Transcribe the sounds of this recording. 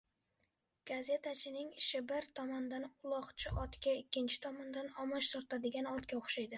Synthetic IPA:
ɡ̥aze̞t̪ʰat͡ʃʰɪnɪŋɪʃɪbɪɾt̪ʰɒmɒnd̪anʊlˠɒqt͡ʃʰɪʔɒt̪kʲaɪkʲːɪnt͡ʃʰɪ̥t̪ʰɒmɒnd̪anɒmɒʃt̪ʰɒɾt̪ʰad̪ɪɡʲanɒɾt̪kʲaoχʃajd̪ɪ

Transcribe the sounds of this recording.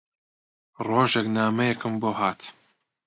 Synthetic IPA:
roːʒeknaːmɐjɛkɨmboːɦaːt̪

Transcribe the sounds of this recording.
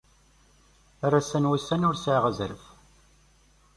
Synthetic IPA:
arasænwæsːænʊɾsʕʁəzəɾəf

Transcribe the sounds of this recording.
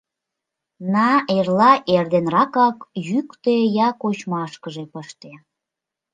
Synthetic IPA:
nɑerlɑʔerd̪enrɑkɑkjykt̪ejɑkot͡ɕmɑʃkəʒepəʃt̪e

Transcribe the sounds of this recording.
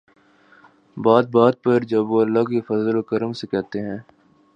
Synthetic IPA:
baːd̪̚baːd̪̚pɐɾd͡ʒɐbʋoːɐlːakefɐzəlokəɾəmsekɛɦt̪eɦɛ̃ː

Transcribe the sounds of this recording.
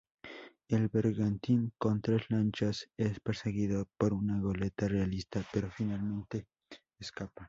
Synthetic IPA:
e̞lβe̞ɾɣant̪iŋko̞nt̪ɾe̞slant͡ʃase̞spe̞ɾse̞ɣiðopoɾunaɣole̞t̪arealist̪ape̞ɾofinalmẽ̞nt̪e̞ː | skapa

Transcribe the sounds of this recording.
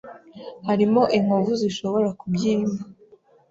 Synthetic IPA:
haɾimo̞ʔiŋ̥uvuziʃo̞βo̞ɾakubjiːma

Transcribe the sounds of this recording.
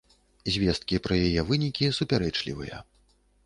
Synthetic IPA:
zʲvʲɛst̪̚kʲipɾɐjajɛvɨnʲikʲisupʲaɾɛt͡ʂlʲḭvɨ̰jɐ̰

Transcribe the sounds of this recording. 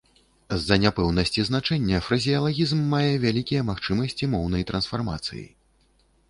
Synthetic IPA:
zːɐnʲapɛwnɐsʲt͡sʲiznat͡ʂɛnʲːɐfɾɐzʲijɐlˠaɣʲizmːajɛvʲalʲikʲijɛmaxt͡ʂɨmɐsʲt͡sʲimɔwnɐjt̪ɾɐnsfarma̰t̪sɨ̰jḭ

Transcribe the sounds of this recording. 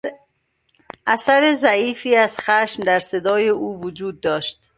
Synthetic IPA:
ʔæsæɾezæiːfiːæz̥xæʃmd̪æɾse̞d̪ɒːjeʔuːvod͡ʒuːd̪ːɒːʃt̪

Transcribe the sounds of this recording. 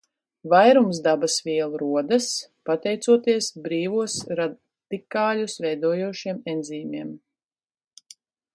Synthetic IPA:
vajɾumsd̪abasvʲiɛlˠɾuɔd̪ɐspat̪ɛjt̪suɔt̪iɛsbɾiːvuɔsɾa | d̪̥ikaːlʲusvɛjd̪uɔjuɔʃiɛmɛnziːmiɛm

